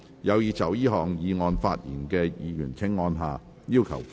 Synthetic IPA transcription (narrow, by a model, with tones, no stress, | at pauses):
jɐ˨˧wjiː˨˧t͡sɐ˨˩wjiː˥ɦɔː˨˩ŋjiː˨ŋɔː˧nfa̰ː˧t̚jḭː˨˩nkɛː˧jiː˨˧jyː˨˩nt͡sʰɪ˥ŋːɔː˧nɦaː˨ | jiː˥wkʰɐ̰˨˩w